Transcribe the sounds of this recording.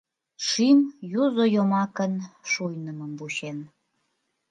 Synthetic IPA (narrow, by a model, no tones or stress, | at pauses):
ʃimjuzojomɑkənʃujnəməmbuɕen